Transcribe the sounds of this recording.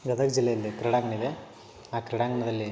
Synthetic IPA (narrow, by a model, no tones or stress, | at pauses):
ɡɐd̪ɐkd͡ʒilːɐjɐlːikɾɐɽaːŋɡɐɳiʋe | aːkɾɐɽaːŋɡɐɳɐd̪ɐlːi